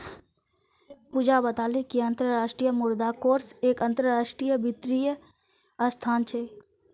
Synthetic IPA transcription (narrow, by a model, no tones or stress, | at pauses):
puːd͡ʒabət̪aːlekiɐ̃nt̪ɾəɾaːʃʈɾijəmʊɾd̪akoːɾseːkə̃nt̪ɾəɾaːʃʈɾijəbɪt̪ɾijə | əst̪ʰaːnt͡ʃʰeː